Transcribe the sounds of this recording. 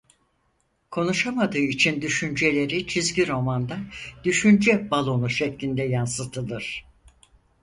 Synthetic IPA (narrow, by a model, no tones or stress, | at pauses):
kʰo̞nuʃamad̪ɯːit͡ʃʰind̪yʃynd͡ʒe̞lʲe̞ɾit͡ʃʰizɟʲiɾo̞mand̪ad̪̥yʃynd͡ʒɛbalˠo̞nuʃɛclʲind̪ɛjansɯt̪ʰɯlˠɯɾ̥